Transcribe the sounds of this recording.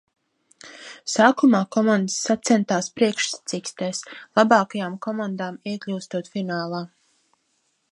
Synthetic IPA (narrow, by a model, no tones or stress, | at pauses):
saːkumaːkɔmand̪əsːat̪sɛnt̪aːspɾiɛkʃsḁt̪sikst̪ɛːslˠabɑːkajaːmkɔmand̪aːmiɛklʲuːst̪uɔt̪finaːlˠaː